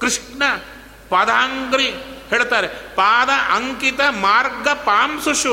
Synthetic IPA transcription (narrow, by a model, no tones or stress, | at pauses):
kɾɪʂɳɐ | pɐd̪ʱaːŋɡɾiheːɭt̪aːɾepaːd̪ɐʔɐŋkit̪ɐmaːɾɡɐpaːmsuʃu